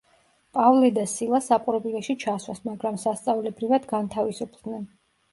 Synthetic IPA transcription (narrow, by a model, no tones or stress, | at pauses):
pʼavlɛd̪asilˠasapʼɾɔpʼilɛʃit͡ʃʰaswa̰smaɡɾamsast̪sʼavlɛbɾivad̪ɡant̪ʰavisupʰd̪nɛn